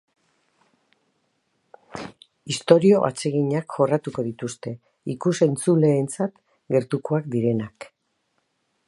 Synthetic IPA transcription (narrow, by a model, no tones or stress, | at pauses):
ist̪o̞ɾio̞ʔa̰t͡se̞ɣiɲakʝo̞rat̪uko̞ðit̪ust̪e̞ | ikuse̞nt͡sule̞ːnt͡sat̪ | ɡe̞ɾt̪uko̞akd̪iɾe̞nak